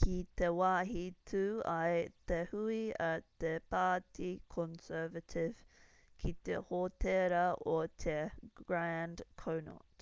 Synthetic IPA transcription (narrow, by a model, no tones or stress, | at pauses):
kʰit̪ewaːɦitʰuːɐjt̪ehuiɐt̪epaːt̪ʰikʰɔnsɛːvətʰɪv̥ | kʰit̪ḛhot̪ʰeɾɐʔot̪ʰeɡɹændkʰowno̰t